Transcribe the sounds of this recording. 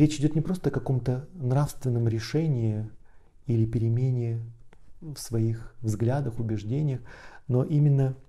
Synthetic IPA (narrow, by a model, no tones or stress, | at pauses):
ɾʲet͡ɕɪdʲo̞t̪nʲɪpɾo̞st̪əɐkɐko̞mt̪ənrafst̪vʲɪnːəmɾʲɪʂɛnʲɪɪ | ilʲɪpʲɪɾʲɪmʲenʲɪː | fsvɐixvzɡlʲad̪əxʊbʲɪʐdʲenʲɪjəxno̞ʔimʲɪnːə